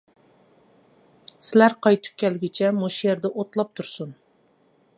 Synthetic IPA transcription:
sɪlæɾqʰɑjt̪ʰy̥p̚kʲɛlɪɡʲɪt͡ʃʰɛmoʃjeɾd̪ɛʔot̪lˠɑp̚t̪ʰuɾsun

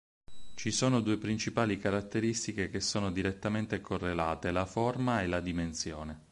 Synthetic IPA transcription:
t͡ʃisoːnod̪uːepɾint͡ʃipaːlikaɾat̪ːeɾist̪ikekesːoːnod̪iɾet̪ːament̪ekorːelaːt̪elaformaelad̪imensjoːne

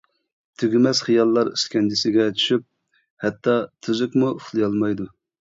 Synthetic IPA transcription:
t̪ʰyɡʲymɛz̥χijɑlˠːɑɾyskʲɛnd͡ʒɪsɪɡʲɛt͡ʃʰy̥ʃyp̚ | hɛt̪ːɑt̪ʰyzykʲmuχlˠɨjɑlˠmɑjd̪u

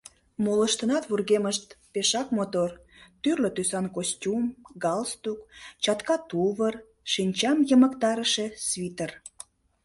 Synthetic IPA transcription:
moləʃt̪ənɑt̪βurɣeməʃt̪peʃɑkmot̪or | t̪yrløt̪ysɑnkostʲumɡɑlst̪ukt͡ɕɑt̪kɑt̪uβər | ʃinʲt͡ɕɑmjəməkt̪ɑɾəʃesβit̪ər

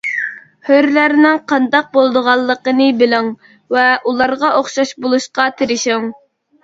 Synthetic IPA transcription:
høɾlæɾnɪŋqʰɑnd̪ɑq̚bolˠd̪əʁɑlˠːəqənɨbɪlɪŋ | vɛʔulˠɑɾʁɑʔoχʃɑʃbolˠuʃqɑt̪ʰɪɾɪʃɪŋ

